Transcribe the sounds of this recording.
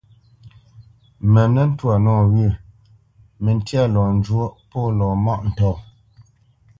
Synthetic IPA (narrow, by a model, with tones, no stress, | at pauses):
mɛ˨nɛ˦n̩˦twa˨nɔː˦˨ɣʉ˦˨ | mɛ˨n˦tja˦lɔː˨n̩˦d͡ʒwo˦pɔ˦lɔː˨ma˦˨ʔn̩˨tɔː˦˨